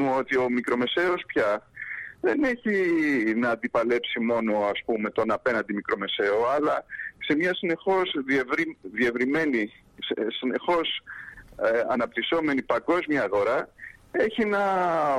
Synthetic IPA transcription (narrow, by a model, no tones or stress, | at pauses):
ot̪io̞mikɾo̞me̞se̞o̞spçɐ | ðe̞ne̞çinɐːnd̪ipɐle̞psimo̞no̞ɐspume̞t̪o̞nɐpe̞nɐ̃nd̪imikɾo̞me̞se̞oɐlɐse̞mɲɐsine̞xo̞zðevɾiðie̞vɾime̞ni | ssine̞xo̞s | ɐnɐp̚t̪iso̞me̞nipɐɡo̞zmiɐːɣo̞ɾɐe̞çinɐ